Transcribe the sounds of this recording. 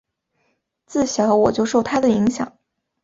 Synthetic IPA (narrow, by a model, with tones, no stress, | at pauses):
t͡sɹ̩˥˩ɕjɑ˧˥ʊwɔ˨˩t͡ɕjo˥˧ʊʂo˥˩ʊt̪ʰa˥d̪ə˨i˧˥ŋɕjɑ̰˨˩˦ŋ